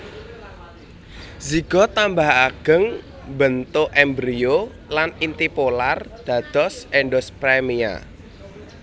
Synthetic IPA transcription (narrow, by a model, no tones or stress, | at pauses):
ziɡ̥ɔ̤t̪ambaɦaɡ̥ə̤ŋ | bənt̪oʔɛmbɾio | lanint̪ipolard̪̥ä̤d̪̥ɔsɛɳɖɔspɾɛmia̰